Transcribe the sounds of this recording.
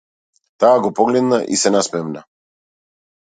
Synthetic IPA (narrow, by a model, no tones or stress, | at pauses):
t̪aːɡɔpɔɡlɛd̪naʔḭsɛnasmɛmna